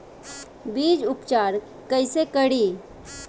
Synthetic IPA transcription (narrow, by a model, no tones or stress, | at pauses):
biːd͡ʒʊpt͡ʃaːɾ | kəɪsekəɽi